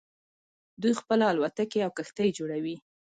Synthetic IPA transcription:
d̪ujxpəlaalwat̪akeawkəxt̪ajd͡ʒoɽawi

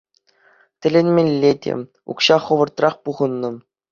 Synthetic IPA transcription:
tʲɘ̆lʲenʲmʲĕlʲːedʲḛ | ṵkɕɑχɤ̆ʋɤ̆rt̪rɑχpuʁɤ̆nːɤ̆

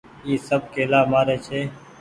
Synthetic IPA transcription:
iːsəb̚keːlaːmaːɾeːt͡ʃʰeː

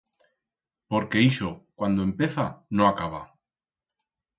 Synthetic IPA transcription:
po̞ɾke̞iʃokwand̪oempe̞θanoakaβ̞a̰

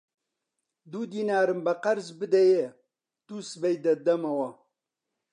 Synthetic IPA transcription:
d̪ud̪iːnaːɾɨmbɐqɐɾzbɨd̪ɐje | t̪usɨbɐjd̪ɐd̪ɐmɐwɐ

